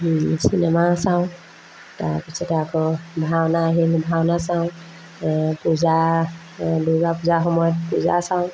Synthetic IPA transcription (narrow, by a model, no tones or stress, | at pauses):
sinɛmasaʊ̃ | ta̰ɹpisʰɔtɛakɔbʱawnaːɦilbʱanasaʊ̃ | puza | duɡapuzaxɔmɔjɔt̚puza̰sãʊ̃